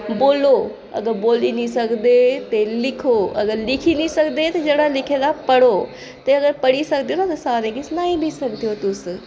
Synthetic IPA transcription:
boːlo | ɐ̰ɡəɾboːlinisɐɡd̪et̪elɪkʰoɐɡəɾlɪkʰinisɐkd̪et̪ɐd͡ʒɐɽalɪkʰed̪apɐɽo | t̪ɐɐɡəɾpɐɽisɐkd̪ijonat̪ɐsaːɾẽɡɪsnaːĩbʱisɐkd̪ijot̪ʊs

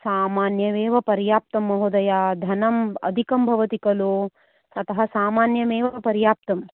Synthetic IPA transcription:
saːmaːnjɐʋeːʋɐpɐɾjaːp̚t̪ɐmːɐɦud̪ɐjaːd̪ʱɐnɐmɐ̰d̪ʱikɐmbʱɐʋɐt̪ikɐloː | ɐt̪ɐɦɐsaːmaːnjɐmeːʋɐpɐɾjaːp̚t̪ɐm

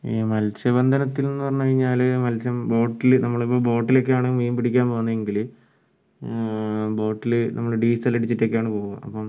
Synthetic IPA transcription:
iːmɐlt͡ɕɐbɐnd̪ʱɐnɐt̪ːilnonːɨpɐrɐɲːukɐɻiɲːaːlɨmɐlt͡ɕɐmbo̞ːʈːilnɐmːɐɭipːoːbo̞ːʈːilo̞kːejaːɳɨmeːmpiɽikʲːaːnpo̞ːunːɐðeŋɡil | bo̞ːʈːilɨnɐ̰mːɐɭɖiːsɐlːɐɽit͡ɕːiʈːeokːejaːɳɨpo̞ːɣuɣɐ̰ɐ̰pːom

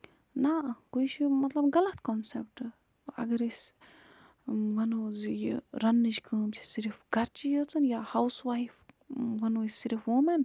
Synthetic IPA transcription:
nakujt͡ʃʰimɐt̪lɐbɡɐlɐt̪kɔnsep̚ʈɨ | ɐ̰ɡɐɾisʲ | ʋɐnoːzijḭɾɐnːɨt͡ʃkəːmt͡ʃʰi̥siɾifɡɐɾt͡ʃijət͡s̪ʰɨnjaːhawsʋajf | ʋɐnoːisʲːiɾifʋumɐn

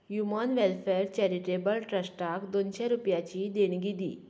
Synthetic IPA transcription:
jumanʋelfɛɾt͡ɕɛɾiʈebəlʈɾəsʈakd̪onɕeɾupjat͡ɕid̪enɡid̪ḭː

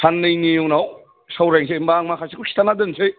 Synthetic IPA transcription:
sanːɯjnijoŋnaw | sawɾeŋs̬ʰembaŋmakʰasikʰusʰi̥t̪ʰanadɯnsʰɯj

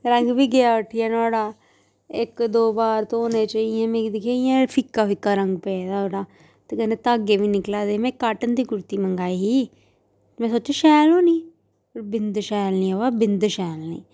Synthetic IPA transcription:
ɾəŋɡbiːɡejaːʊʈʰːɪjaːnaːɽaː | ɪkd̪oːbaːɾt̪õoːnẽːt͡ʃaːiɛ̃ːmẽːkd̪ɪkʰaːijãːpʰɪkːaːfɪkːaːɾəŋɡpɛːd̪aːoɽaː | t̪eːɡəneːt̪aːɡeːʋiːnɪklaːd̪eːmɛ̃ːkaːʈənd̪iːkʊɾt̪iːməŋɡaːiɦiː | mɛ̃ːsoːt͡ʃeʃɛːlõːniː | pəɾbɪnd̪ʃɛːlnĩːaʋaːbɪnd̪ʃɛːlnḭ̃ː

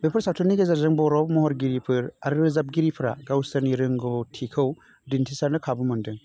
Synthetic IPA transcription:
bepʰɯɾsawtʰɔnːiɡezaɾzɯŋbɔɾɔp̚mɔɦɔɾɡiɾipʰɯɾaɾɾɯzap̚ɡiɾipʰɯɾa̰ɡawsaniɾɯŋɡɔtʰikʰɯw | dintʰisaɾnɯkʰabɯmɯndɯŋ

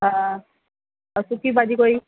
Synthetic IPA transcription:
ɦã | sukibadikoj

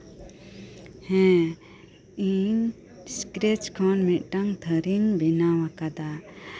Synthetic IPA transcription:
hɛ̃ | iɲ | skɾet͡ʃkʰɔnmit̪̚ˀʈaŋt̪ʰəɾiŋbinawakad̪a

